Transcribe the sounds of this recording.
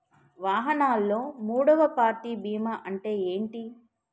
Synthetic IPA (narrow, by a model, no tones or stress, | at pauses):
ʋaːɦɐnaːlːo̞ːmuːɽɐʋɐpaːɾʈiːbiːmaʔɐɳʈe̞ːeːɳʈi